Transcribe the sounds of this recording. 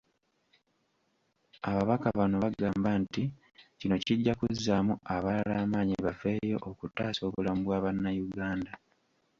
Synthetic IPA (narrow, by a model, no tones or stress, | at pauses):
aβaβakaβano̞βaɡaːmbanti | cino̞ciɟːakuzːamuaβalalaːmaːɲiβaveːjo̞̰ʔokutːaːso̞ːβulamubwaːβanːajuɡaːnda